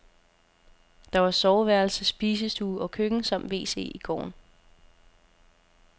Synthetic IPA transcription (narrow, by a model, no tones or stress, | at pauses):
d̥ɑ̈ʋɑ̈sɒʊʋæɐl̩səsːb̥iːsəsd̥uːɒ̽kʰøɡ̥ŋ̩sɑm̰d̥ʋe̝̰ːse̝̰ːiɡ̥ɒ̰ːn